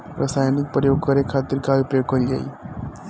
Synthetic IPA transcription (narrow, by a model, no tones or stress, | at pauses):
ɾʔaːsaːjnɪk̚pɾəjoːɡ̚kɐɾekʰaːt̪ɪɾkaːʋipɾjoːɡ̚kɐɾiɡɐ̰ḭː